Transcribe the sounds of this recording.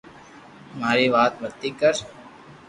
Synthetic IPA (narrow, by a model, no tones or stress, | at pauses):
maːɾeʋaːt̪̚bəɾt̪ikəɾ